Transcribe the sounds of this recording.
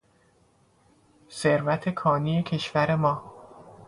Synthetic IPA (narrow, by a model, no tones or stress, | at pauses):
seɾvæt̪ʰe̞kʰɒːnijecʰe̞ʃvæɾe̞mɒː